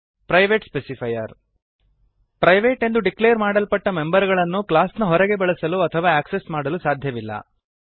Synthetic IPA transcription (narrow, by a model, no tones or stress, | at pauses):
pɾɐjʋeːʈspesipʰɐjɐɾ | pɾɐjʋeːʈe̞nd̪uɖikleːɾmaːɽɐlpɐʈːɐme̞mbɐɾɡɐɭɐnːuklaːsnɐɦɔɾɛɡe̞bɛɭɐsɐluɐt̪ʰɐʋaːæːksesmaːɽɐlusaːd̪ʱjɐʋilːɐ̰